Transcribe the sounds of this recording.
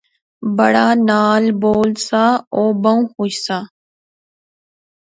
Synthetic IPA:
bəɽaːnaːlboːlsaːoːbəũːxuːʃsaː

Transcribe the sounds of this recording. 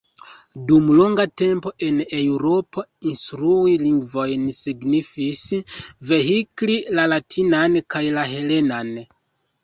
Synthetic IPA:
dumloŋɡate̞mpo̞ʔe̞ne̞wɾo̞po̞instɾuiliŋɡvo̞jnsiɡnifisve̞ɦiklilalatʰinankajlaɦe̞le̞nan

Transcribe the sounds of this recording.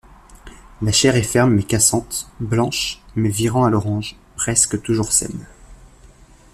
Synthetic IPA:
laʃɛʁɛfɛʁmːɛkasɑ̃t̪blɑ̃ʃmɛviʁɑ̃alɔʁɑ̃ʒ | pχɛskət̪uʒuʁsɛ̰n

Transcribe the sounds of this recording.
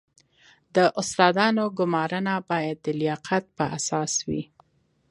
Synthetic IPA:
d̪əʔʊst̪ɑd̪ɑnoɡʊmɑɾənabɑjad̪ːəlɪjɑqʰat̪̚pəʔasɑswḭ

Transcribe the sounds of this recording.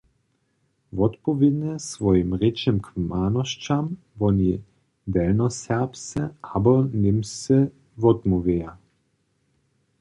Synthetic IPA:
vɔt̪pɔvid̪nɛsvɔjimʁet͡ʃɛmkmaːnɔʃt͡ʃam | vɔni | d̪ɛlnɔsɛʁpsɛabɔnimsɛ | vɔt̪muveja

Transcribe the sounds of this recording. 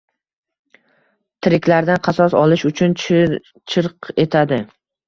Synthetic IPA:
t̪ʰɪɾɪkʲlaɾd̪anqʰɑsɒsɒlɪʃʊt͡ʃʰʊn | t͡ʃʰɪɾqe̞t̪ʰad̪ɪ

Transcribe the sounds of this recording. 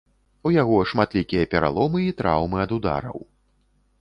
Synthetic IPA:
ujaɣɔʂmat̪lʲikʲijɐpʲɛɾa̰lˠɔmɨit̪ɾa̰wmɨɐd̪ud̪a̰ɾɐ̰w

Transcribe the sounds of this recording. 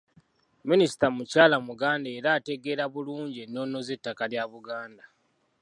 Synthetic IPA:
minisi̥tamucaːlamuɡaːndeeːɾaːte̞ɡe̞ːɾaβuluːɲɟienːo̞ːnːo̞ze̞tːakaljaβuɡaːnda

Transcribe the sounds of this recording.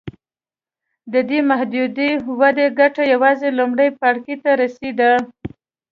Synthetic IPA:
d̪əd̪emahd̪ud̪iwad̪eɡaʈajawɑzelʊmɽəjpaɽkit̪aɾased̪a

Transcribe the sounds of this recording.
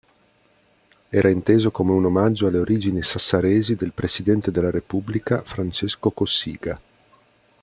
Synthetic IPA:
ɛːɾʔaint̪eːzokomeunomad͡ʒːoalːeoɾʔiːd͡ʒinisasːaɾeːzid̪elpɾesid̪ɛnt̪ed̪elːaɾepublikafɾant͡ʃeskokosḭːɡa

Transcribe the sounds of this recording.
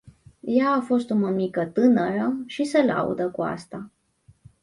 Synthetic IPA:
jaːfo̞st̪uməmikət̪ɨnəɾəʃisəla̰ṵd̪əkua̰st̪a

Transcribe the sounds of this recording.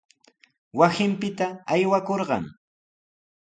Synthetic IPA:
wasɪmpɪt̪aːjwakoɾɢɑ̰ŋ

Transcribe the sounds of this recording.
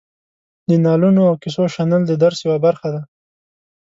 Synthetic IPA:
d̪ənɑlunoawkɪsoʃanəld̪əd̪aɾsjwabaɾxad̪a

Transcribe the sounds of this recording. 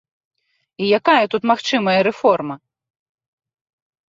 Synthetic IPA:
ijakajɐt̪ut̪maxt͡ʂɨmɐjɐɾɛfɔrmɐ

